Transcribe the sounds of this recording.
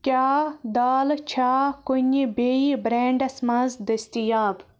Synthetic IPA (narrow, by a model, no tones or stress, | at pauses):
kʲaːd̪aːlt͡ʃʰaːkuɲʲibeibɾeːɳɖɐsmɐ̃nzd̪ɐst̪ijaːb